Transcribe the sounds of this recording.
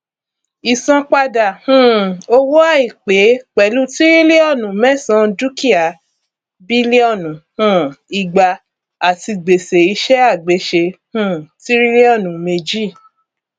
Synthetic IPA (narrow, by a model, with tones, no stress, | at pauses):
i˨sɔ̃˧k͡pa˧da˨hũ˦˨o˧wo˦a˦˨i˨k͡pe˨˦k͡pɛ˨˦lu˦ti˦ɾi˦le˦ɔ˦˨nũ˨˦mɛ̃˦˨sã˧˦˧du˦ki˦a˨ | bi˦le˦ɔ˦˨nũ˨hũ˦˨i˨ɡ͡ba˧ | a˨ti˧ɡ͡be˨se˨i˧ʃɛ˦a˦˨ɡ͡be˨˦ʃe˧hũ˦˨ti˦ɾi˦le˦ɔ˦˨nũ˨me˧d͡ʒi˦˨